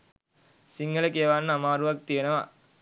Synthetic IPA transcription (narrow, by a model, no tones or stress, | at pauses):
siŋɡɐlɐkiɐʋaːnːamaːɾuʋɐk̚t̪ijenɐʋaː